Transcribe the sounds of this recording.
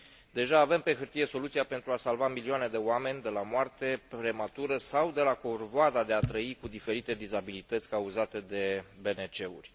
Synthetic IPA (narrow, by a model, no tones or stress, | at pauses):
d̪e̞ʒaːve̞mpe̞xɨrt̪ije̞so̞lut̪siape̞nt̪ɾuasalvamilioane̞d̪e̞oame̞nʲd̪e̞lamoart̪e̞pɾe̞mat̪uɾəsawd̪e̞lakorvoad̪ad̪e̞at̪ɾəikud̪ife̞ɾit̪e̞d̪izabilit̪ət̪sʲkauzat̪e̞d̪e̞be̞ne̞t͡ʃe̞urʲ